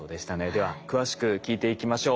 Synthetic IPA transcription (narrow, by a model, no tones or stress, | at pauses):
oːd̪e̞ɕi̥t̪ane̞d̪e̞β̞akɯ̟βaɕi̥kɯ̟kʲiːt̪e̞ikʲimaɕo̞ː